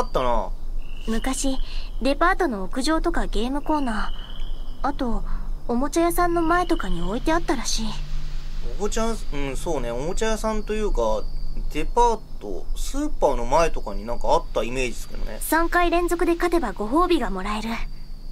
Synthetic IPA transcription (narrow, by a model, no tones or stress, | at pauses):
at̪ːana̰ | mɯ̟kaɕid̪e̞paːt̪o̞no̞ːkɯ̟ʑo̞ːt̪o̞kaɡe̞ːmɯ̟ko̞ːnaː | at̪o̞ːmo̞t͡ɕajasãnːo̞mae̞t̪o̞kaɲ̟io̞it̪e̞at̪ːaɾaɕiː | omot͡ɕaɯ̟̃ɴso̞ːne̞omot͡ɕajasãnt̪o̞jɯ̟ːkad̪̥e̞paːt̪o̰sɨːpaːno̞mae̞t̪o̞kaɲ̟inãŋkaːt̪ːaime̞ːd͡ʑi̥sɨ̥ke̞̰d̪o̰nḛsãŋkaiɾẽ̞nzo̞kɯ̟d̪e̞kat̪e̞baɡo̞ɦo̞ːbʲiɡamo̞ɾae̞ɾɯ̟